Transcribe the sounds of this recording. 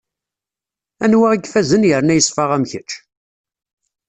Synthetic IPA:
ænwæʁiɡfæzənjəɾnæjəsˤfəʁæmçət͡ʃː

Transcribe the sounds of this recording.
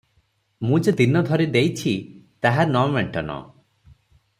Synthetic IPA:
mũd͡ʒed̪inɔd̪ʱɔɾed̪ejt͡ʃʰit̪aɦaɾnɔmeɳʈɔnɔ̰

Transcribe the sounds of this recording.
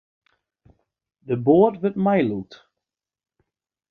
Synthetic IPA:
dəboətʋətmɛjlut

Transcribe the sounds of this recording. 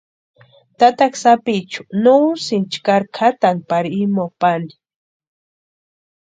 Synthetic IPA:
t̪at̪aksapit͡ʃʊ̥nusɪnt͡ʃkaɾkʰat̪anpaɾimopani̥

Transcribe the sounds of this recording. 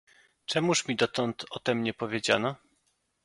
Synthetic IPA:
t͡ʂɛmuʂmʲid̪ɔt̪ɔnt̪ʰɔt̪ɛmɲɛpɔvʲjed͡ʑa̰nɔ

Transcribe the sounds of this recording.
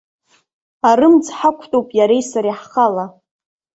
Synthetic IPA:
aɾɨmd͡zħakʷʰtʼowpʼjaɾejsaɾiħχala

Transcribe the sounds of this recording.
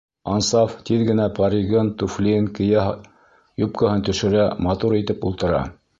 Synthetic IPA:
ɑnsɑft̪iðɡɘ̆næpɑɾiɡɤnt̪uflʲinkɘ̆jɑ | jup̚kɤhɤnt̪ɵ̆ʃɘ̆ɾæmɑt̪uɾit̪ɘpulˠt̪ɤ̆ɾɑ̰

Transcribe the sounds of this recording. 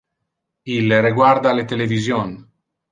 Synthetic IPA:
ilriɡward̪alet̪elevizjon

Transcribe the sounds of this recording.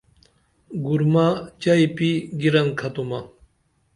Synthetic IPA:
ɡuɾmat͡ɕajpiɡiɾankʰat̪uma

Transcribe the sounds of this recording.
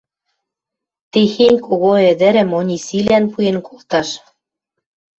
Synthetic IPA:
t̪exenʲkoɣoĕd̪ɘ̆ɾɘ̆monʲisilænpujenkʰolˠt̪ɑʃ

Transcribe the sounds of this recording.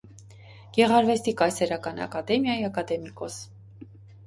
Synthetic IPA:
ɡ̥ɛʁɑɾvɛst̪ikɑjsɛɾɑkɑnɑ̰kɑd̪ɛmjɑjiɑkɑd̪ɛmikɔs

